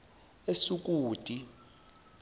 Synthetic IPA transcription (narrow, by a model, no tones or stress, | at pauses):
esuk̬ʼuːtʼi